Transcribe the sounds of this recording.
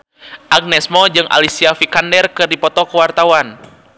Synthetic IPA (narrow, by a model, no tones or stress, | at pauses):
ʔaɡ̚nɛsmɔd͡ʒɨŋʔa̰lisiafikandɛrkɨrdipɔt̪ɔkəwart̪awan